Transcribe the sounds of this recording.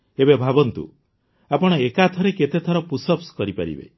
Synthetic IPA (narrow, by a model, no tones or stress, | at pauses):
ebebʱabɔnt̪ṵ | apɔɽ̃ɔekat̪ʰɔɾeket̪et̪ʰɔɾɔpusɔpskɔɾipa̰ɾḭbḛ